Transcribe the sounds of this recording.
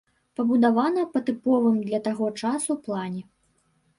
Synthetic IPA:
pɐbud̪avanɐpɐt̪ɨpɔvɨmd̪lʲɐt̪aɣɔt͡ʂasuplˠanʲɛ

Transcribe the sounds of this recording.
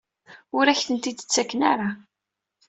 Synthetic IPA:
ʊɾæçθənt̪id̪ə̥t͡sːækːənaɾˤa

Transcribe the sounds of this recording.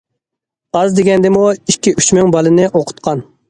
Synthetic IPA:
ɑzd̪eɡʲɛnd̪ɪmuikʲːiʔy̥t͡ʃmyŋbɑlˠɨnɪʔoqʰʊ̥t̪̚qʰɑn

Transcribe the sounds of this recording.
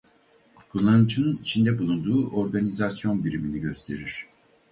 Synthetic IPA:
kʰulˠːanɯt͡ʃʰɯnɯnit͡ʃʰind̪ɛbulˠund̪uːʔo̞ɾɡanizasjo̞nbiɾiminiɟø̞st̪ʰe̞ɾiɾ̝̥

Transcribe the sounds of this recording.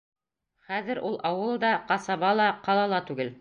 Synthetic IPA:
χæðɘ̆ɾʔulˠʔɑwɤlˠd̪ɑqɑsɑβɑlˠɑqɑlˠɑlˠɑt̪ʉɡɘl

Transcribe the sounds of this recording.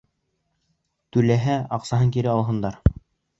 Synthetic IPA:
t̪ʉlæɦæɑqsɑɦɤŋkiɾɘɑlˠɦɤ̆nd̪ɑɾ

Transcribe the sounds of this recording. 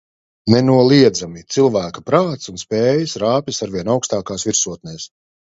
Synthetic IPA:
nɛnuɔlˠiɛd̪zamit̪silˠvæːkapɾaːt̪sunspɛːjasɾaːpʲisaɾvʲiɛnawkst̪aːkaːsviɾsuɔt̪̚nɛːs

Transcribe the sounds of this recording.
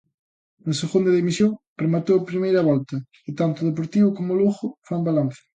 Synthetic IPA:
nʊseɣond̪ɐðimisjoŋpɾemat̪owapɾimejɾɐβɔlt̪ɐ | ɪt̪ant̪ʊðep̬oɾt̪iβʊkomʊluɣʊfambalan̟θɪ̥

